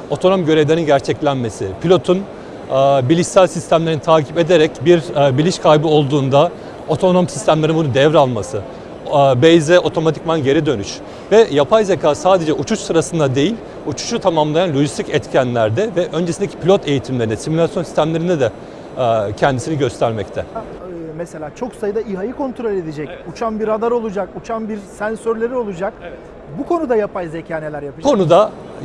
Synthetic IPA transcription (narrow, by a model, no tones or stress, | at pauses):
o̞t̪ʰo̞no̞mɟø̞ɾevlʲeɾinɟæɾt͡ʃʰɛclʲænme̞sɪpʰilʲo̞t̪ʰunː | bilʲiʃsælʲsist̪æmlʲeɾinit̪ʰaːcʰipe̞d̪eɾɛcbiɾbilʲiʃkʰajbio̞lˠd̪uːnd̪a | o̞t̪ʰo̞nomsist̪ʰæmlʲeɾinbunund̪ɛvɾalˠmasɯ | bɛjzɛʔo̞t̪ʰo̞mat̪ʰicmanɟe̞ɾid̪ø̞nyʃ | vɛjapʰajzecʰaːsaːd̪e̞d͡ʒɛut͡ʃʰut͡ʃsɯɾasɯnd̪ad̪e̞jilʲ | ut͡ʃʰu̥t͡ʃut̪ʰamamlˠajanlʲo̞ʒist̪ʰicɛt̪cʰænlʲæɾd̪ɛvɛʔø̞nd͡ʒesind̪ecʰi̥pilʲo̞t̪ʰe̞jit̪ʰimlʲeɾinɛsimulʲasjonsi̥st̪æmlʲe̞ɾind̪ɛd̪ɛ | cʰɛnd̪isiniɟø̞st̪ʰæɾmɛct̪ʰɛ | mese̞lʲaːt͡ʃʰo̞ksajɯd̪aiɦajɯko̞nt̪ʰɾo̞lʲe̞d̪ed͡ʒɛcut͡ʃʰanbiɾad̪aɾo̞lˠud͡ʒakut͡ʃʰanbiɾsænsøɾlʲe̞ɾio̞lˠud͡ʒak | bukʰo̞nud̪ajapajzecʰaːne̞lʲæɾjapɯkʰo̞nud̪a